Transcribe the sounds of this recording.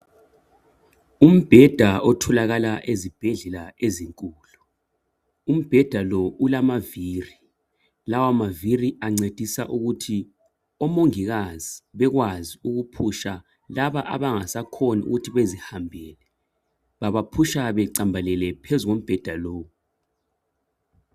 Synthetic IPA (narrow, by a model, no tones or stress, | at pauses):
um̩b̥ʱɛd̥ʱaɔtʰɔlaɣalaʔezib̥ʱɛɮɛlaeziŋkʼuːlu | um̩b̥ʱɛd̥ʱalɔulamaviːri | lawamaviriaŋ͡ǀed̥ʱisaʔuɣutʰi | ɔmoŋiɣaz̥iβɛɣwaziuɣupʰuʃa | laβaʔa̰βaŋasakʰɔniṵɣutʰiβezihambʱɛːlɛ | βaβapʰuʃaβɛǀambʱalɛlɛpʰezuɣom̩b̥ʱɛd̥ʱaloːwu